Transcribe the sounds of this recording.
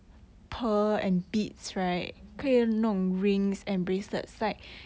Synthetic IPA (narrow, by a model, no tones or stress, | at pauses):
pʰəɛ̃nbitsɹaɪt̚kʰinɔ̃ŋɹĩŋsɛ̃nbɹesə̰tsaɪt̚